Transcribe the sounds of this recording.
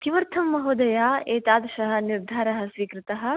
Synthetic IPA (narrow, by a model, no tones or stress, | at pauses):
kiʋɐɾt̪ʰɐmːɐɦoːd̪ɐjaːeːt̪aːd̪ɐʃɐɦɐ̆niɾd̪ʱaːɾɐɦɐsʋiːkɾɪt̪ɐɦɐ̆